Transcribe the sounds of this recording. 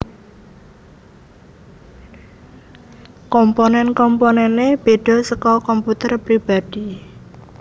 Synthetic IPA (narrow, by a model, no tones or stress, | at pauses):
kɔmponɛnkɔmponɛneb̥e̤ɖ̥ɔ̤səkɔkɔmput̪ərpɾib̥ad̥i